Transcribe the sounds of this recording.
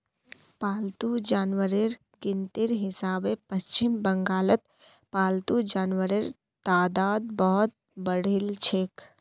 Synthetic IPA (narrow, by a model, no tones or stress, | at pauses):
paːlt̪ud͡ʒaːnwəɾiɾ | ɡɪnt̪ɪɾɦɪsaːbepɐst͡ʃɪmbɐ̃ŋɡaːlət̪̚ | paːlt̪ud͡ʒaːnʋəɾiɾ | t̪aːd̪aːd̪̚bɔɦʊt̪̚ | bəɽ̤ɪlt͡ʃʰeːk